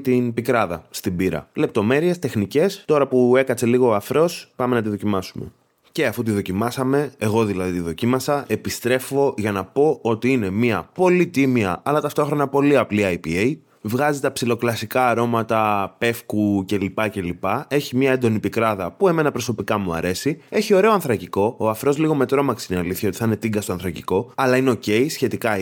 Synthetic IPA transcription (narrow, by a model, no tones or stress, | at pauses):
t̪inpikɾɐðɐst̪ibiɾɐ̰le̞p̚t̪o̞me̞ɾie̞st̪e̞xnice̞st̪o̞ɾɐpue̞kɐt͡se̞liɣo̞ɐfɾo̞spɐmenɐt̪̬iðo̞cimɐsume̞̰ | ce̞ɐfut̪̬iðo̞cimɐsɐme̞eɣo̞ðilɐðit̪iðo̞cimɐsɐe̞pist̪ɾe̞fo̞ʝɐnɐpo̞o̞t̪iine̞miɐpo̞lit̪imiɐ̰ʔɐlɐt̪ɐft̪o̞xɾo̞nɐpo̞liɐpliɐjpiej | vɣɐzit̪ɐpsilo̞klɐsikɐːɾo̞mɐt̪ɐpe̞fkuce̞lipɐce̞lipɐe̞çimɲɐend̪o̞nipikɾɐðɐpue̞me̞nɐpɾo̞so̞pikɐmuɐ̰ɾe̞sie̞çio̞ɾe̞o̞ɐnθɾɐciko̞ːɐfɾo̞zliɣo̞me̞t̪ɾo̞mɐksineɐliθçɐo̞t̪i̥θɐine̞t̪iŋɡɐst̪oɐnθɾɐciko̞ɐlɐineo̞ce̞isçe̞t̪ikɐ